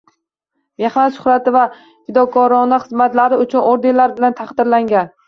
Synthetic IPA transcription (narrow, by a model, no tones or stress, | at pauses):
meχnat̪ʃʊ̥χɾat̪ɪva | fɪd̪ɒkʰɒɾɒnɪχɨzmat̪laɾɪʊt͡ʃʰʊnʔoɾd̪elaɾbɪlant̪ʰaχd̪ɪɾlaŋɡʲan